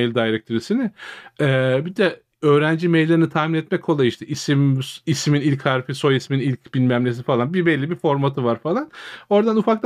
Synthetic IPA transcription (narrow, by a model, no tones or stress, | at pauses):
ejlʲd̪ajɾɛk̚t̪ʰøɾisinɪɛːbid̪ɛ | ø̞ːɾænd͡ʒimejlʲːe̞ɾinit̪ʰahminɛt̪mɛckʰːo̞lˠajɯiʃt̪ʰɛʔisimisminilʲchaɾfiso̞jisminilʲcbilʲmæmlʲe̞s̬ifalˠanbibɛlʲːibifo̞ɾmat̪ʰɯvaɾfalˠano̞ɾd̪anufak̪ˠ